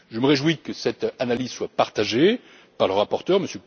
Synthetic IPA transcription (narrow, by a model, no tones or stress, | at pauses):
ʒəməʁeʒwikəsɛt̪analizswapaʁt̪aʒe | paʁləʁapɔʁt̪œʁməsjø